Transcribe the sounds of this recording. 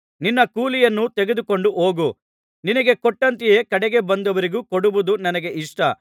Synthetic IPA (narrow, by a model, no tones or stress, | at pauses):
ninːɐkuːlijɐnːut̪eɡed̪uko̞ɳɖuʔoːɡu | ninɐɡe̞kɔʈːɐnt̪̬ije̞ːkɐɽɛɡe̞bɐnd̪ɐʋɐɾiɡuːkoɽuʋud̪unɐnɐɡe̞ʔiʂʈɐ